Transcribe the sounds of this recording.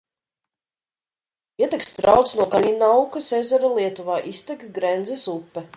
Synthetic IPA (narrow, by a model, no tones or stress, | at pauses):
iɛt̪ɛkst̪ɾawt̪snuɔkalʲinawkasezɛɾalˠiɛt̪uvaːʔist̪ɛkɡɾɛnd̪zɛsupːɛ